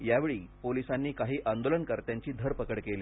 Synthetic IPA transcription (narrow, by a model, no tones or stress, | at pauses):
jaʋeɭiːpolisanːiːkaɦiːʔand̪olənkəɾt̪jaɲt͡ɕiːd̪ʱəɾpəkəɽkeliː